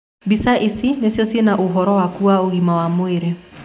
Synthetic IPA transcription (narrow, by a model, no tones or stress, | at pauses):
bisaʔisinesjɔsjenaʔoɦɔɾɔwakuaoɣimawamoeɾe